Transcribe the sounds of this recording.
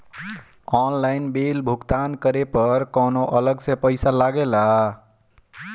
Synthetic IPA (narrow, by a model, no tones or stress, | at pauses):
ɔnlajnbelbʱukt̪ankəɾepəɾkɔnoʔələɡsẽpəɪsalaɡelaɦ